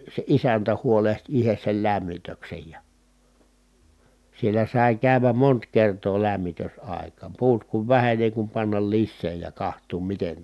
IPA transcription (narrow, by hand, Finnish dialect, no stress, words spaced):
se isæntæ huoleht ihes sel læmːitøksej jɑ sielːæ sɑˑi̯ kæˑy̞ʋæm mont kertoː læmːitøsɑˑekɑːm puːt kuʋ ʋæhen ni eˑi kum pɑnːɑl lisːeː jɑ kɑhtˑuːm miten